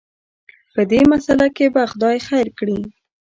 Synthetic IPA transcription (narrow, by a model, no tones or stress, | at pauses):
pəd̪emasalakebaxd̪ɑjxajɾkɽi